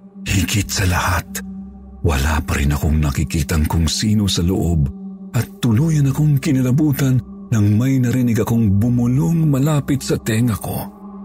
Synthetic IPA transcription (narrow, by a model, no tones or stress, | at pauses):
hikɪt̪̚sɐlɐhat̪̚ | wɐ̰la̰pɐɾɪ̰nɐkoŋnɐkɪkiːt̪ɐŋkʊŋsiːno̞sɐlo̰ʔobʔɐt̪ːʊluːjɐnɐko̞ŋkɪnɐlɐbuːt̪ɐnː | ɐŋmɐjnɐɾɪnɪɡɐkoŋbʊmʊloŋmɐlaːpɪt̪sɐt̪ɛŋɐko̞̰